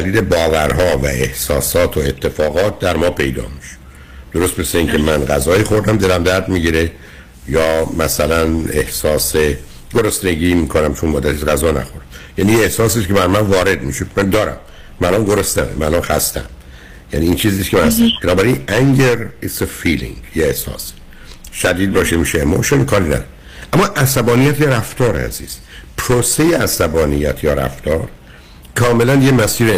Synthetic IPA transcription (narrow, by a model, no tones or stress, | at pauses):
æliːlebɒːvæɾɦɒːvæ̰e̞hsɒːsɒːt̪ʰoet̪ʰːe̞fɒːɣɒːt̪̚d̪æɾmɒːpʰe̞jd̪ɒ̰ːmiʃ | d̪̥oɾost̪beseiːŋcʰe̞mænɡæzɒːiːxo̞ɾd̪æmd̪e̞læmd̪æɾd̪miɟiɾe | jɒːmæsælænehsɒːse | ɡ̥oɾost̪neɟiːmiːkʰonæmt͡ʃʰonmɒːd̪æt̪ʰisɡæzɒːnæ̰xo̞ɾd̪̥æmjænijeehsɒːsiscʰebæɾmænvɒːɾe̞d̪miʃod̪mænd̪ɒːɾæ̰mː | æːlɒnɡoɾost̪æmemælɒnxæ̰st̪æ̰n | jæ̰niːnt͡ʃʰiːziːskʲʰemæhæst̪æbenɒːbæɾinæŋɡeɾisefiːlḭ̃ŋɡjeehsɒ̰ːs | ʃæd̪iːd̪̚bɒːʃemiːʃeemo̰ʃonikʰɒːɾinæ̰d̪ɾ | ʔæmːɒːʔæsæbɒːnijæt̪jɒɾæft̪ʰɒːɾeæ̰zḭːz̥ | pʰɾoːsejeʔæsæbɒːnijæt̪ʰjɒːɾæ̰ft̪ʰɒːɾ | kʰɒːme̞lænjemæsiːɾe